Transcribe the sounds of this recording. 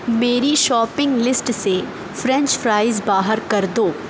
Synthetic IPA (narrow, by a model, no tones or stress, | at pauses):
meːɾiʃɔːpɪ̃ŋɡlɪsʈse | fɾɛ̃ɲt͡ʃfɾaːɪzbaːɦəɾkɐɾd̪oː